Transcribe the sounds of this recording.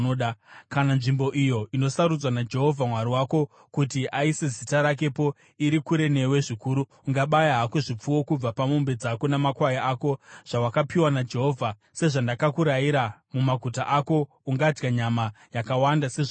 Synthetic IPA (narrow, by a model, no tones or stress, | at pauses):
ɗkananʐimbo̞ʔijo̞ino̞saɾud͡zwanad͡ʒe̞ɦo̞vʱamwaɾiwako̞ | kutiʔaise̞zitaɾak̬e̞po̞ | iɾikuɾe̞ne̞we̞ʐikuːɾu | uŋɡaɓajaɦako̞ʐip͡fuwo̞kub͡vapamumbe̞d͡zako̞namakwajaako̞ʐ̥awakapiwanad͡ʒe̞ɦo̞ːvʱa | se̞ʐandakakuɾajiɾamumaɡʱutaʔako̞ | uŋɡad͡ʒɡaɲama | jakawandaseʐ